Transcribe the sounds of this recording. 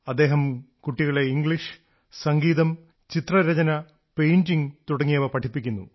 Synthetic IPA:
ɐd̪ːe̞ːɦɐmkuʈːiɣɐɭeiŋɡɭiʂ | sɐŋɡiːðɐm | t͡ɕit̪rɐɾɐd͡ʑɐnɐ | pejɲd͡ʑiŋt̪uɽɐŋːijɐʋɐpɐʈʰipːikʲːunːṵ

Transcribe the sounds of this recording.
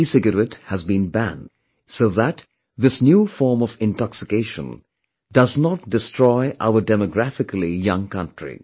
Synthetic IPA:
isɪɡəɾɛthæzbĩnbæ̰̃nd | soʊðæt | ðɪsnjuːfɔɹmɔvɪ̃ntɑksɪkeɪʃə̰̃n | dʌznɔt̚dɪstʰɹ̥ɔɪʔa̰ʊəɖɛmɔɡɾæfɪkəlijʌ̃ŋkʌ̃ntɹḭ

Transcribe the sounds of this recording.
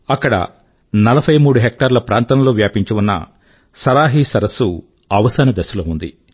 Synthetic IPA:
ɐkːɐɽɐ̰ | nɐlɐpʰɐjmuːɽuɦek̚ʈɐɾlɐpɾaːnt̪ɐmlo̞ːʋjaːpiɲt͡ʃuʋunːɐ̰ | sɐɾaːɦisɐɾɐsːu | ɐʋɐsɐnɐd̪ɐsɐloːund̪ḭ

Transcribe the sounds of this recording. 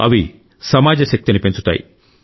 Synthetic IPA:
ɐ̰ʋi | sɐmaːd͡ʒɐɕɐk̚t̪inipeɲt͡ʃu̥t̪a̰ːjḭ

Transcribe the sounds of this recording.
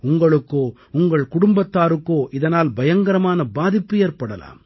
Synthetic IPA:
ʊŋɡɐɭɯkːoː | ʊŋɡɐɭkʊɽʊmbɐt̪ːaːɾɯkːoːʔɪðɐnaːlbɐjɐŋɡɐɾɐmaːnɐbaːðɪpːɯeːrpɐɽɐla̰ːm

